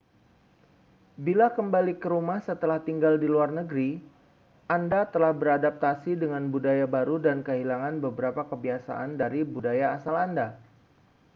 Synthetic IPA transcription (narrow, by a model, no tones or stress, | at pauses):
bilakəmbalikəɾumahsət̪əlaht̪iŋɡaldiluarnəɡɾi | ʔandat̪əlahbəɾadap̚t̪asidəŋanbudajabaɾudankəɦilaŋanbəbəɾapakəbiasa̰ʔandaɾibudajaːsalanda